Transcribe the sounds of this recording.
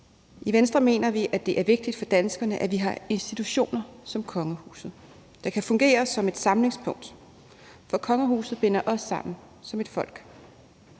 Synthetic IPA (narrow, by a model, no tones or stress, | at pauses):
ʔiʋensd̥ʁɐme̝̰ːnɐʋiʔæd̥e̝ʔæɐʋe̝ɡ̥̚d̥id̥fɒ̽d̥ænsɡ̥ɐnəʔæʋiɦɑ̈e̝nsd̥it͡sʰuɕo̝̰ːnɐsɒ̽mkʰɒ̽ŋəhṵːsð̩ˠ | d̥ɑ̈kʰæfɔ̽ŋɡ̥e̝̰ːɐsɒ̽me̝d̥sɑ̈mle̝ŋspʰɔ̽ŋ̰d̥ | fɒ̽kʰɒ̽ŋəhṵːsð̩ˠb̥enɐʔɒ̽sːɑ̈m̰n̩ | sɒ̽me̝d̥fɒ̽l̰ɡ̥